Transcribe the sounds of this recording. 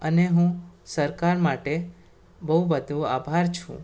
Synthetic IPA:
əneɦũsəɾkaɾmaʈe | bəɦubəd̪ʱũa̰bʱaɾt͡ʃʰṵ̃

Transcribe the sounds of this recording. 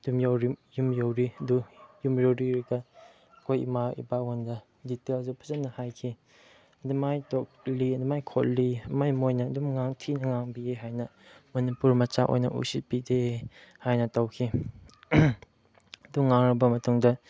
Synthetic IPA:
dumjowɾijumjowɾiɐdujumjowɾiɾiɡa | kʰojḭmaḭbawondɐ | ditelzupʰɐzɐnːɐhajkʰi | ɐdimajtɔk̚liɐdimajkʰot̚limajmojnɐːdumŋaŋtʰinɐŋaŋbieɦajnɐmɐnipuɾmɐt͡ʃaʔo̰jnɐ̰ʔṵsit̚bidehajnɐtɐwkʰi | ɐduŋːaŋɾɐbɐmɐtuŋdɐ

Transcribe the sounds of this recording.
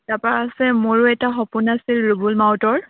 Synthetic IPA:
tapaaasɛmoɹʊɛtaxɔpʊnasilɹubulmawtɔɹ

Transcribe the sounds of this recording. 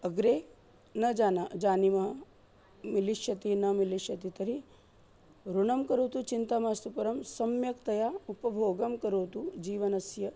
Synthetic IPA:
ɐɡɾeː | nɐd͡ʒaːnɐd͡ʒaːnimɐɦɐ | miliʃjɐt̪inɐmiliʃjɐt̪it̪ɐɾi | ɾuɳɐmkɐɾoːt̪ut͡ʃint̪amaːst̪upɐɾɐmsɐmjɐkt̪ɐjaupɐbʱoːɡɐmkɐɾoːt̪ud͡ʒiːʋɐnɐsjɐ

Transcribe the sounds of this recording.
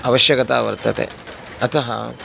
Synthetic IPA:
ɐʋɐʃjɐɡɐt̪a̰ːʋɐ̰ɾt̪ɐt̪ḛ | ɐt̪ɐɦɐ̰

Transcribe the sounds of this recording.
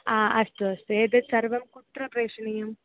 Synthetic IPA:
aːʔɐst̪uɐst̪ueːd̪ɨsɐɾʋɐmkut̪ɾɐpɾeːʂɐnɐjɐm

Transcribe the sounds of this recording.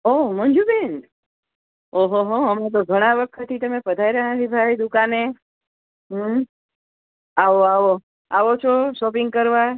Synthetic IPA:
omənd͡ʒuben | oɦoɦoɦəmet̪̬oɡʱəɽ̃aʋəkʰət̪ʰit̪əmepəd̪ʱajɾəɦãd̪ibʱajd̪ukane | ɦəm | aʋoaʋo | aʋot͡ʃʰoʃɔpɪŋɡ̚kəɾʋa

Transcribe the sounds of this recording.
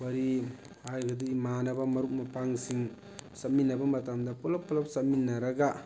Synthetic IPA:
wɐɾi | hajɡɐdiimanɐbɐmɐɾuk̚mɐpaŋsiŋ | sɐt̚minːɐbɐmɐtamdɐpulɐpːulɐp̚sɐt̚minːɐɾɐɡɐ

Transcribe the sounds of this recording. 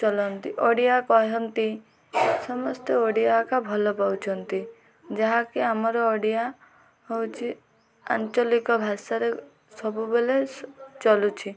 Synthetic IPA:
t͡ʃɔlɔnt̪iʔoɽijakɔɦɔnt̪i | sɔmɔst̪eoɽijakabʱɔlɔpawt͡ʃʰɔnt̪i | d͡ʒaɦakiamɔɾɔːɽija | ɦowt͡ʃʰi | a̰nt͡ʃɔlikɔbʱasaɾe | sɔbubelet͡ʃɔlut͡ʃʰi

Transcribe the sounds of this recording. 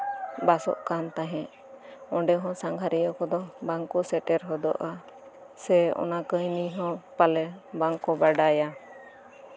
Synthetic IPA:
basɔ̰ʔkant̪aɦɛ̃ʔ | ɔ̃ɖɛɦɔ̃saŋɡʱaɾijɔkɔd̪ɔbaŋkɔsɛʈɛɾɦɔd̪ɔ̰ʔa | sɛɔ̰nakəjniɦɔ̃palɛbaŋkɔbaɖaja

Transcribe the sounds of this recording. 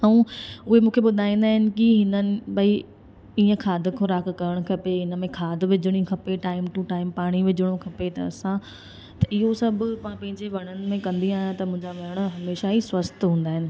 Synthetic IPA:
ɐũʊɦemũːkʰeɓʊd̪ʱaːĩːnd̪aːɦɪnɪ̆kiɦɪnənɪ̆bɐi | iːə̃kʰaːd̪ʱkʰʊɾaːkːɐɾəɽ̃kʰɐpeɦɪnəmẽkʰaːd̪ʱʋɪd͡ʑɪɽ̃ikʰɐpeʈaːɪmʈuʈaːɪmpaːɽ̃iʋɪd͡ʑəɽ̃okʰɐpet̪ɐ̰ɐ̰sã | t̪ɐʔɪɦosɐbʱmãpɐ̃ɦɪ̃ɲd͡ʑeʋɐɽ̃ənɪ̆mẽkɐ̃nd̪iaːjãt̪ɐmʊ̃ɦɪ̃ɲd͡ʑaʋɐɾəɽ̃ɦɐmeːʃaɦiswɐst̪ɦũːn̆d̪aːɦɪnɪ̆

